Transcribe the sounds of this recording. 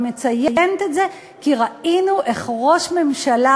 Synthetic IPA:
me̞t͡sajejent̪etze̞ | kiʁainuʔeχʁo̞ʃme̞mʃala

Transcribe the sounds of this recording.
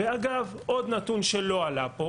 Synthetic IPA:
eaɡavʔo̞d̪nat̪unʃe̞lo̞alapo̞

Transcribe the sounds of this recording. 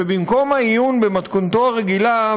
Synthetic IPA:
ebimko̞maijunbemat̪kont̪oaʁe̞ɡila

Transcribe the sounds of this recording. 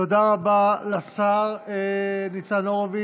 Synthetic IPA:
od̪aʁabalasaʁenit͡sanoʁavi

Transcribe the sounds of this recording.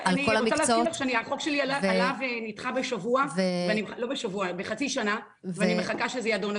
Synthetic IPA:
alniolaʁmikt͡salaːoitaχʃeaniaχo̞kʃeliaalavenitχabeʃavuavveanimlo̞beʃavuabeχat͡siʃana | veanimχakaʃezejadon

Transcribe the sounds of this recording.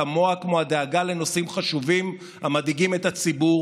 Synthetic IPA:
amo̞akmoad̪eaɡale̞no̞simχaʃuvim | hamadiɡime̞tat͡sibu

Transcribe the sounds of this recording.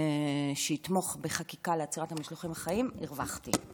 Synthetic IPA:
ʃeit̪mo̞χbeχakikaleat͡siʁathamiʃloχimhaχaimiʁvaχt̪ḭ

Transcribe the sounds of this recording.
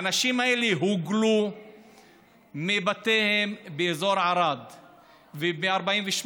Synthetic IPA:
naʃimaeleɦuɡlu | mibat̪ehembeezo̞ɾʕaɾad̪ | vemeaɾbaimveʃm

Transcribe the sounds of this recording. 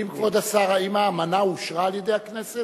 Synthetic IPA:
imkvad̪asaʁaimaːmanauʃʁaːlje̞d̪ejaknese

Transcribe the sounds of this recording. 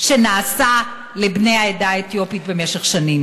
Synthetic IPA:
ʃe̞naːsa | lebne̞jaedaet̪jo̞pitbe̞meʃeχʃanim

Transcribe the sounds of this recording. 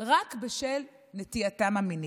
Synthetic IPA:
ʁakbeʃel | net̪iatamamini

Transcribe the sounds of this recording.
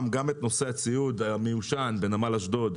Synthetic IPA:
mɡamet̪no̞se̞at͡siud̪amejuʃanbe̞namalaʃd̪o̞d̪

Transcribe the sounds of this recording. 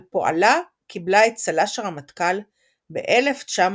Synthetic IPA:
poʔa̰la | kiblaet̚t͡salaʃaʁhamatkal | bḛʔele̞ft͡ʃam

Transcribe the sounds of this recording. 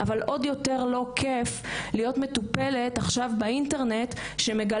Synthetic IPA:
ʔavalʔo̞djo̞te̞ʁlo̞kʰeflijo̞tmetupe̞le̞taχʃavbeinte̞ʁne̞t | ʃeme̞ɡa

